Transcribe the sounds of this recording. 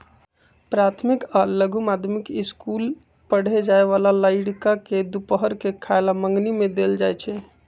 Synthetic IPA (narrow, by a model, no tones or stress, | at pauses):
pɾat̪ʰmikaləɡʱumad̪ʱmikiskul | pəɽ̤ed͡ʒaeʋalaləɪɽkaked̪upəɦəɾkekʰaelaməŋɡnimed̪eld͡ʒajt͡ʃʰɛ